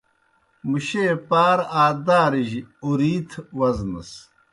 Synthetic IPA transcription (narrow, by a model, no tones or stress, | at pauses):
muɕepaːɾaːd̪aːɾiʑuɾiːt̪ʰwɐznɐ̰s